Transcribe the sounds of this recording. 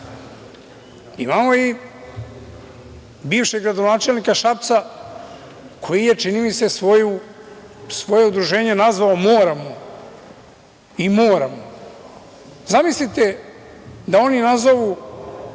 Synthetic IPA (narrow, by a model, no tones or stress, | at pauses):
ḭmamo̞i | biːvʃeɡɾad̪o̞naːt͡ʃelnikaʃap̚t̪sa | kʰo̞jije̞t͡ʃinimit̪se̞sʋoju | sʋo̞je̞ud̪ɾuʒe̞ːɲe̞nazʋaomoːɾamo | imo̞ːɾamo | zamislit̪e | d̪ao̞ninazoʋu